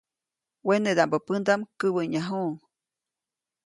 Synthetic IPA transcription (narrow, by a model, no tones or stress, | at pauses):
wened̪ambəpɨnd̪amkəbəɲaɦu